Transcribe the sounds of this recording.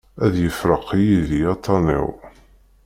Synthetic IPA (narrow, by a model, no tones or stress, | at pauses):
æðjəfɾəqʰːijiðiɑt̪ʰˤːɑnḭw